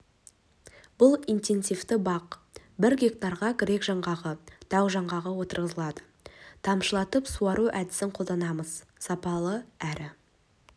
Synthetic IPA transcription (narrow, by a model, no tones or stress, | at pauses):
b̥ʊlˠijnt̪e̞nsijvt̪ɪbɑq | bɪɾɡʲe̞k̚t̪ɑɾʁɑkʲɪɾe̞kʒɑɴʁɑʁəd̪̥ʰɑwʒɑɴʁɑʁəwo̞t̪əɾʁəzəlˠɑd̪ə̥ | t̪ʰɑmʃəlˠɑt̪əpsuɑɾuʔæd̪ɪsɪɴqʰo̞ld̪ɑnɑməz̥ | sɑpɑlˠəæɾɪ